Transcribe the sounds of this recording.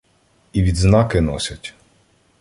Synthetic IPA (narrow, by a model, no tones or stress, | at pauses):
iʋʲid̪znɑkɪnɔsʲɐtʲ